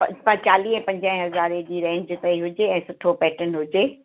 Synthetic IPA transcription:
pɐ̰pɐ̃t͡ɕaːliːɦɛ̃pɐ̃ɲd͡ʑə̃ɛ̃ɦɐzaːɾed͡ʑiːɾɛ̃ːɲd͡ʑt̪ɐiɦʊd͡ʑeɛ̃ːsʊʈʰopɛːʈənɦʊd͡ʑeː

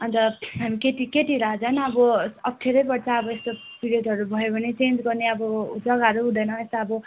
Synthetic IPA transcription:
ʌnt̪ʌɦamiket̪iket̪iɾʌd͡zʌnʌbʌʌp̚ʰʈʰeɾʌjbʌɽt͡sʰaʌbʌest̪o | piɾeʈɦʌɾubʱʌjobʱʌnet͡send͡zɡʌrneʌbʌd͡zʌɡʌɾuɦũd̪ʌjnʌest̪aʌbʌ

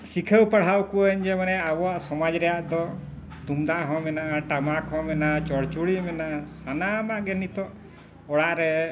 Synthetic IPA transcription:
sikʰəwpəɽ̤ɦawkuɲd͡ʒɛmanɛawɔaʔsɔmad͡ʒɾɛjaʔd̪ɔ | t̪umd̪aʔɦɔ̃mɛnaʔaʈamakɦɔ̃mɛnat͡ʃɔɽt͡ʃuɽimɛnaʔasanamaʔɡɛnit̪ɔ | ɔɽaʔɾɛ

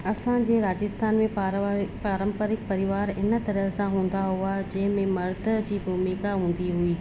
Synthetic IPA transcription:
ɐsãd͡ʑeːɾaːd͡ʑɪst̪ʰaːnmẽpaːɾə̃mpəɾɪk̚pɐɾɪʋaːɾɪnə̆t̪ɐɾəɦsãɦũːn̆d̪aɦʊad͡ʑɐ̃ɦɪ̃mẽmɐɾd̪ʱəd͡ʑiːbʱʊmikaɦũːn̆d̪iɦuiː

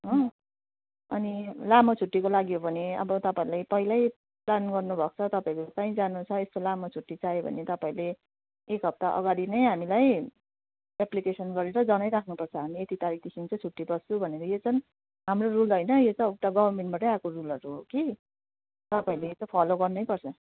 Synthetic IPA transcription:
ɦʌ̃ | ʌnilamot͡sʰuʈːikolaɡiɦobʱʌneʌ̰bʌt̪ʌpaĩlajpʌɦilʌj | planɡʌrnubʱʌk̚t͡sʰʌt̪ʌpaĩkokãĩd͡zanut͡sʰʌest̪olamot͡sʰuʈːit͡sajebʱʌ̰net̪ʌpaĩle | ekɦʌp̚t̪aʔʌ̰ɡaɽinʌjɦamilaj | eplikesʌnɡʌɾeɾʌd͡zʌnʌjɾakʰnupʌrt͡sʰʌɦamiet̪it̪aɾik̚ʰt̪isimt͡sʌ̃t͡sʰuʈːibʌst͡sʰubʱʌneɾʌjot͡sʰʌn | ɦamrorulɦʌjnʌjet͡sʌuʈaɡʌbʌrmeɳʈbaʈʌakorulʌɾuɦoki | t̪ʌpaĩlet͡sʌpʰʌloɡʌrnʌjpʌrt͡sʰʌ

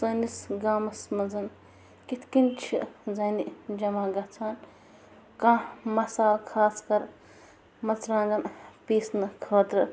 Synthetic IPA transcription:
sɐːnisɡaːmɐsmɐnzɐn | kit̪ʰkint͡ʃʰizɐːnid͡ʒɐmaːɡɐt͡sʰaːn | kãːmɐsaːlkʰaːskɐɾ | mɐt͡sɾãːŋɡɐnpiːsnɨkʰɐːt̪ɾɨ

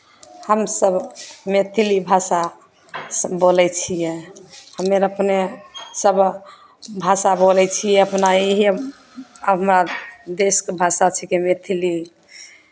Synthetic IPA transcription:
həmsəbmet̪ʰilibʱasa | sbolɛt͡ʃʰijɛhəmeɾəpnesəb | bʱasabolɛt͡ʃʰijɛəpnaiɦi | əmɾad̪eskebʱasat͡ʃʰɛkemet̪ʰili

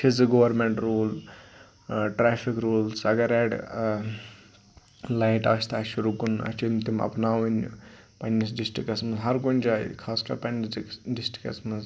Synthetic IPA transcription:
t͡ʃʰid͡zɨɡoːʋɐɾmeɳʈɾuːl | ʈɾeːpʰikɾuːlsɐɡɐɾɛɖ | laiʈaːst̪aːʃuɾukunɐ̰t͡ʃʰimt̪imɐ̰pnaːʋɐn | pɐnːisɖisʈikɐsmɐzɦɐɾkonʲd͡ʒaːjkʰaːska̰ːpɐnisɖisʈi̥kɐ̰smɐz

